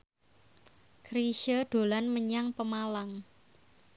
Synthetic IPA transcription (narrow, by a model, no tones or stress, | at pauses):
kɾiʃəd̥o̤lanməɲaŋpəmalaŋ